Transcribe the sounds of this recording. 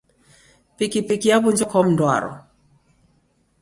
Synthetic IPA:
pikɪpikijabuɲd͡ʒɔkɔmndwa̰ɾɔ̰

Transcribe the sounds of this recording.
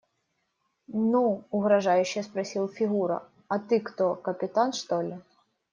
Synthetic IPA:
nuːɣɾɐʐajʊɕːɪjɐspɾɐsʲilˠfʲiɣuɾɐ̰ | ɐt̪ɨkt̪ɔkɐpʲɪt̪anʂt̪ɔlʲɪ

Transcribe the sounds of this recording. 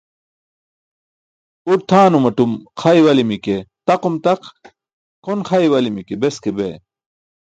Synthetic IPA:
uɾ̚t̪ʰaːnumɐʈumxʰaiwɐlimiket̪ɐqumt̪ɐq | kʰonxʰɐiwɐlimikebeskebḛ

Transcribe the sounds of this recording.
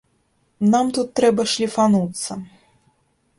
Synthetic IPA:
namt̪ut̪ːɾɛbɐʂlʲifanut̪sːɐ

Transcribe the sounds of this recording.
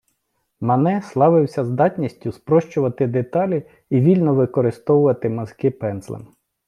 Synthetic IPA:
mɐnɛslˠɑʋɪwsʲɐzd̪ɑtʲnʲisʲtʲʊspɾɔʃt͡ʃʊʋɐt̪ɪd̪et̪ɑlʲi | iʋʲilʲnɔʋɪkɔɾɪst̪ɔwʊʋɐt̪ɪmɐzkɪpɛnslˠɪ̰n

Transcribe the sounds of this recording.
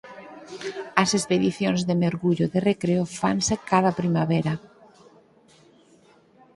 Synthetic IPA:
ɐsespeðiθjonzðemeoɾɣuʎoðerekɾeofansekaðapɾimaβeɾa

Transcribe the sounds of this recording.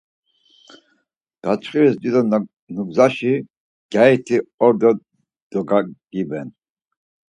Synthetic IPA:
ɡ̥at͡ʃχivisd̪id̪ɔ | nuɡzaʃi | ɡ̥ait̪ʰiɔɾd̪ɔ | d̪̥ɔɡaɡ̥ibɛn

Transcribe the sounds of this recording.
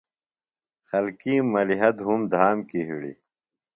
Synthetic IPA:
xɐlkiːmɐliɦɐd̪ɦumd̪ʱaːmkiɦḭɽḭ

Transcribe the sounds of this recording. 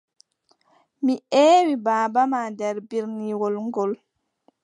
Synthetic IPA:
miʔeːwibaːbamaːdɛɾbiɾniwɔlŋɡɔl

